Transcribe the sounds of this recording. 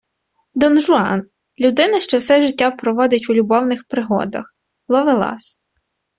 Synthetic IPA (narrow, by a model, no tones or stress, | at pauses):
d̪ɔnʒʊɑ̰n | lʲud̪ɪnɐʃt͡ʃɔwsɛʒɪtʲːapɾɔʋɔd̪ʲɪtʲulʲubɔwnɪxpɾɪɦɔ̰d̪ɐ̰x | lˠɔʋɪlˠɑ̰s